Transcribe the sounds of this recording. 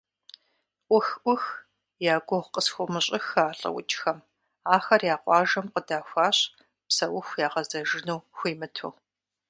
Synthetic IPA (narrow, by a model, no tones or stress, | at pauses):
ʔʷʊxʔʷʊx | jaːɡʷɔʁqəsxʷʊmɨɕʼɪxaːɬʼɐ̰wʊ̰t͡ʃʼxɐm | aːxɐrjaːqʷɑːʒɐmqədaːxʷɑːɕ | psɐwʊxʷjaːʁɐzɐʒɪnuːxʷiːmɨtʰṵː